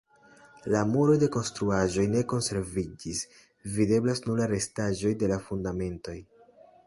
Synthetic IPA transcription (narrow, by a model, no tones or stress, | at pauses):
lamuɾode̞ko̞nstɾuaʒo̞jne̞ko̞nse̞ɾvid͡ʒis | vide̞blasnuɾlaɾe̞staʒo̞jde̞lafundame̞nto̞j